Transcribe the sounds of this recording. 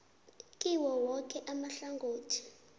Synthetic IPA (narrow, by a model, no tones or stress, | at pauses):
kʼiwɔwɔk̬ʰʼɛʔamaɬaŋɡʱoːtʰi̥